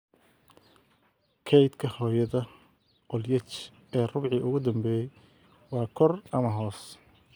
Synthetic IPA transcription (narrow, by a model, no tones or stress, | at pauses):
kʰɛjd̪kʰɐhɔːjɐðɐ | ʔɔljɛt͡ʃ | ɛːrʊβʕiːʔʊɣʊd̪ɐmbɛːjɛj | wɑːkʰɔrɐmɐɦɔːs